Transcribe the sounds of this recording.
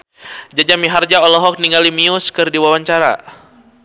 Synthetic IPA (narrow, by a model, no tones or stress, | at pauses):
d͡ʒad͡ʒamiɦard͡ʒaɔlɔɦɔk̚niŋɡalimiʊskɨrdiwawaɲt͡ʃaɾa̰